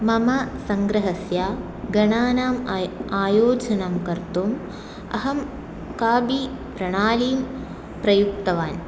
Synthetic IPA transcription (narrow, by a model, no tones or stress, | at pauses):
mɐmɐsɐŋɡɾɐɦɐsjaː | ɡɐɳaːnaːmaːjoːd͡ʒɐnɐmkɐɾt̪um | ɐ̰ɦɐm | kaːbi | pɾɐɳaːliːm | pɾɐjuk̚t̪ɐʋaːn